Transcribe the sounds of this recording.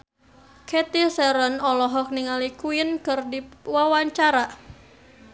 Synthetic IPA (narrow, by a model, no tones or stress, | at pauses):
kʰet̪isɛɾənɔlɔɦɔk̚niŋalikuɪnkɨrdiwawaɲt͡ʃaɾa